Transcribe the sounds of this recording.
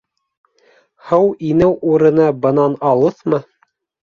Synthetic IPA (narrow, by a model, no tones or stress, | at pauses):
hɤwinɘwʔuɾɤ̆nɑbɤ̆nɑnɑlˠɤθmɤ